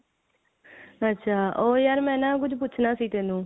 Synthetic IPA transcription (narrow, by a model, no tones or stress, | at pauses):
ətːʃʰaːʔoːjaːɾmɛ̃ːnãːk̬ʊd͡ʒp̬ʊːt͡ʃʰnaːsiːt̪ɛːnũː